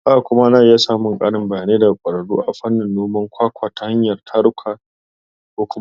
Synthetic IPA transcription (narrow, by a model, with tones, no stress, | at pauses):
ʔa˨kʷʊ˦ma˦na˦˨jaː˦saː˦mʊ˨ŋkʼaː˦ɽɪ˦mbɐ˨jaː˨neː˦da˨kʷʼɐ˨ɽɐ˨ɽṵː˦ʔa˨ɸɐ˦nːɪ˨nːoː˦mɐ˦ŋkʷʰaː˦kʷʰaː˨ta˦ha˦ɲjɐ˨rtʰɐ˦ɽkʷʰaː˨ | kʷoː˨kʷʊ˦